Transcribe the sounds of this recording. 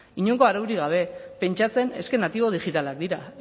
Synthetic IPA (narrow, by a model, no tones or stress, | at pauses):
iɲo̞ŋko̞aɾawɾiɣ̞aβ̞e̞pe̞nt͡ʃat͡se̞ne̞ske̞nat̪iβ̞o̞ð̞ixit̪alak̚d̪iɾa